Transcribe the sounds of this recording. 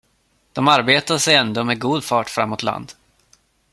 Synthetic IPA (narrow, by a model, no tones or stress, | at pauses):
d̪̥ɔmaɾbeːt̪aʂɛjɛnd̪oːmɛɡuːd̪fɑːʈfɾa̰mːot̪la̰nd̪